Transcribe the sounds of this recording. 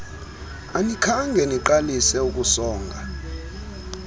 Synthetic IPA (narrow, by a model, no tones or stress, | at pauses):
anikʰaŋɡʱɛniǃalisɛuk̬ʼusɔːŋɡʱa